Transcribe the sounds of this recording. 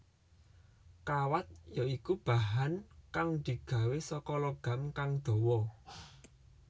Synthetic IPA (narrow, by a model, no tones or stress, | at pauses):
kawat̪̚jaikub̥a̤ɦankaŋd̪̥i̤ɡ̥ä̤wesɔkɔlɔɡ̥a̤mkaŋd̪̥ɔ̤wɔ